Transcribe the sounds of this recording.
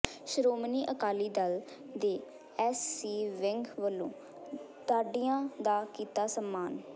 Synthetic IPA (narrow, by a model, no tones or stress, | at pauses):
ʃɾoːmniːʔəkaːliːd̪əl | d̪eː | ɛːsiːʋɪŋɡʋəlːõː | t̪aːɖiːãːd̪aːkiːt̪aːsəmːaːn